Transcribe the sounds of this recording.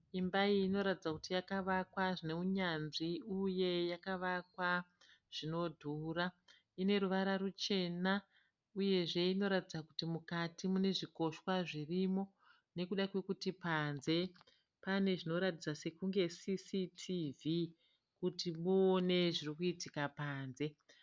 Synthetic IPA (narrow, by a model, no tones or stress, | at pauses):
imbaiːno̞ɾatid͡zakutijakaʋakwaʐine̞uɲanʐiuje̞jakaʋakwa | ʐ̥ino̞dʱuːra | ine̞ɾuʋaɾaɾut͡ʃe̞na | uje̞ʐe̞ino̞ɾatid͡zakutimukatimune̞ʐiko̞ʃwaʐirimo̞ | ne̞kuɗakwe̞kutipanze̞ | pane̞ʐino̞ɾatid͡zase̞kuŋɡe̞sisitʰivi | kutimuːne̞ʐirikuitikapaːnze̞